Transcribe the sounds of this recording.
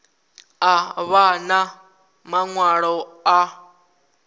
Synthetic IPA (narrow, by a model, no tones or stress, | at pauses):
aβana | maŋwaɺɔa